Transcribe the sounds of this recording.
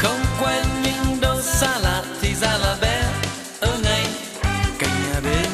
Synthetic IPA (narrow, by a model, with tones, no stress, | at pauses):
xə˧wŋ͡mkwɛ˧nɲɨ̰˧˥ŋɗə˧wsaː˧laː˨˩t̚t̪ʰi˨˩zaː˧laː˨˩ɓɛ˧˦ | ʔəː˧ŋa˨˩j | ka˨˩jŋ̟ɲaː˨˩ɓe˨˦